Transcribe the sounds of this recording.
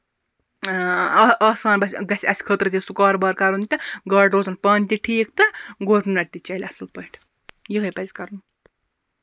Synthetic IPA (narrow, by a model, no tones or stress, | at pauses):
ɐːsaːnbɐsʲɡɐsʲɐsi̥kʰəːt̪ɾɐt̪ʲisukaːɾbɐːɾkaɾɦunʲit̪ɐɡɐːɖɾoːzɐnpɐːnʲt̪iʈʰiːkt̪ɨɡoʈnunɐʈʲt̪it͡ʃɐːlʲɐsɨlpɐiʈʰ | jiɡɐjpɐzʲkɐɾnu